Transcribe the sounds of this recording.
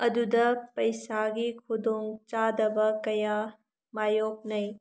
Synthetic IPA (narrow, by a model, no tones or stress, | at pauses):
ɐdudɐpɐjsaɡikʰudoŋt͡ʃadɐbɐkɐja | majok̚nɐj